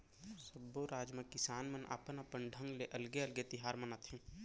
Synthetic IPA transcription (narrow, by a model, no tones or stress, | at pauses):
sɐboɾaːd͡ʒmakɪsaːnmɐnʔa̰pənɐpənɖʱə̃ŋɡleʔɐlɡeɐlɡet̪ɪɦaːɾmɐnat̪ʰẽː